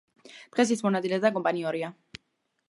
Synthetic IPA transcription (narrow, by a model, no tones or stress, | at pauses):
d̪̥ʁɛs̬isʰmɔnat̪sʼilɛd̪akʼɔmpʼaniɔɾia